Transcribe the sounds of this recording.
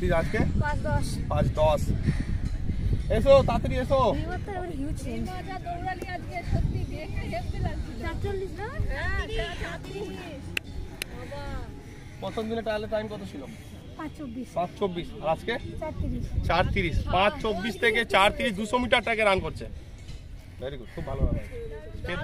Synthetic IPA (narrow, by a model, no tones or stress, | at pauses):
t̪iad͡ʑkepãt͡ɕd̪ɔʃpãt͡ɕd̪ɔʃ | esosat̪ɾiesobat̪aɾebaɾɦt͡ʃmad͡ʑad̪oɾɾaliad͡ʑkeʃot̪ːibiekeɦebt̪ilaɡt͡ɕʰiloaɾt͡ʃobːiʃɾa | aatɾiʃɔba | pɾot̪ʰomd̪ineʈaleʈːajmkɔt̪ʰot͡ɕʰilo | pãt͡ʃt͡ʃobːiʃpãt͡ɕt͡ɕobːiʃaɾad͡ʑket͡ɕaɾt̪iɾiʃt͡ɕaɾt̪iɾiʃpãt͡ɕt͡ɕobːiʃt̪ʰeket͡ɕaɾt̪iɾiʃd̪uʃomiʈaɾʈɛkeɾankoɾt͡ɕʰe | beɾikulkʰubbʱaloɾanase